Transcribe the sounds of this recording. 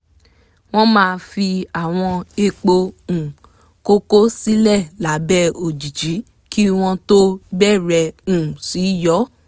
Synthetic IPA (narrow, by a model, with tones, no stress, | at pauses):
w̃ɔ̃˦mãː˦˧fi˧a˨w̃ɔ̃˧e˧k͡po˧ũ˨ | ko˦ko˦si˦lɛ˦˨la˨˦bɛ˦o˨d͡ʒi˨d͡ʒi˨˦ | ki˦w̃ɔ̃˧to˦bɛ˦˨ɾɛ˧ũ˨si˨˦jɔ˦